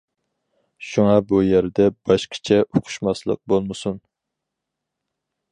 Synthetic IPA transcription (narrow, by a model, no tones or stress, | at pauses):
ʃuŋɑbujæɾd̪ɛb̥ɑʃqʰə̥t͡ʃʰɛʔoqʰʊ̥ʃmɑslˠə̰q̚bolˠmɨsun